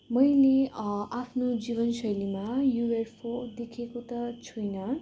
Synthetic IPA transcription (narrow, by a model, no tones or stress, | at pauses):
mʌjleapʰnod͡zibʌnsʌjlimajuwerpʰod̪ekʰekot̪ʌt͡sʰujnʌ